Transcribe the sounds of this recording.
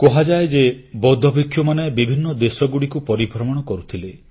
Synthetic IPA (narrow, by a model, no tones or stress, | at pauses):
kɔɦad͡ʒaed͡ʒebɔd̪ʱɔbikʰːjɔmanebibʱinːɔd̪esɔɡuɽikupɔɾibʱɾɔmɔɽ̃ɔkɔɾut̪ʰile